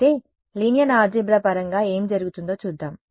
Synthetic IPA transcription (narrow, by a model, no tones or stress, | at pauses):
t̪eː | linijɐnaːd͡ʒibɾaːpɐɾɐŋɡaːeːmid͡ʒɐɾuɡut̪und̪o̞ːt͡ʃuːd̪ːaːm